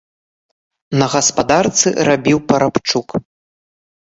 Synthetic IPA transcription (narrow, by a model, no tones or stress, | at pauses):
nɐɣɐspad̪art̪sɨ̰rabʲiwpɐɾapt͡ʂuk